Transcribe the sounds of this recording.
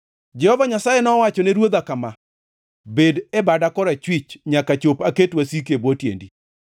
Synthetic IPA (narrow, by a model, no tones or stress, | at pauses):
d͡ʒɛhɔvaɲasajenɔwat͡ʃɔneɾwod̪akama | bedebadakɔɾat͡ʃwit͡ʃɲakat͡ʃopaketwasikebwotjḛndi